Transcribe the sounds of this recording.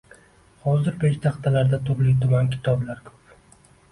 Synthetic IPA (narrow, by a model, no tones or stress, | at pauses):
hɒzɪɾpeʃt̪ʰaqt̪ʰalaɾd̪at̪ʰʊɾlɪk̚ʲt̪ʰʊmankʲʰɪ̥t̪ʰɒblaɾkʰɵ̥p